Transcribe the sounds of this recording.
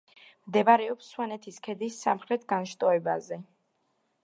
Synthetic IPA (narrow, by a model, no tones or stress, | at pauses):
md̪ɛbaɾɛɔpsːwanɛt̪ʰiskʰɛd̪isːamχɾɛt̪ʰɡanʃt̪ʼɔɛbazɛ